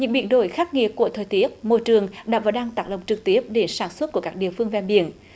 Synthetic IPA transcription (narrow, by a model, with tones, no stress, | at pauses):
ɲɨ̰˧˥ŋɓḭ˧˨ənɗo̰˧˩˦jxaː˦˥k̚ŋḭ˧˨əku˧˩ət̪ʰəː˨˩jt̪i˦˥ət̚mo˧jt͡ɕɨ˨˩əŋɗa̰ː˧˥vaː˨˩ɗaː˧ŋt̪aː˨˦˥k̚lə˨˩wŋ͡mt͡ɕɨ˨˩k̚t̪i˦˥əp̚ɗe˧˦nsaː˧˩nswə˦˥t̚ku˧˩əkaː˦˥k̚ɗḭ˧˨əfɨ˧əŋvɛ˧˩nɓḭ˧˨ən